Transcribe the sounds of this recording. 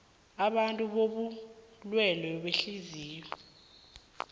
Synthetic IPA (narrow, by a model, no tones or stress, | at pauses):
aɓantʼuɓoɓulwɛlɔɓeɬiziːjɔ